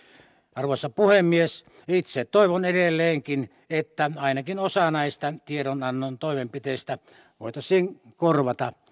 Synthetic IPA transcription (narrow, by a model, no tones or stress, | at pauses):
ɑrʋoisːɑpuhemːies | it̪sett̪oˑiʋonedelːeːŋkin | et̪ːæɑˑinɑkinosɑnɑˑist̪ɑt̪ieɾonɑnːont̪oˑimempit̪eˑist̪æ | ʋoˑit̪ɑsˑiːŋkorʋɑt̪ɑ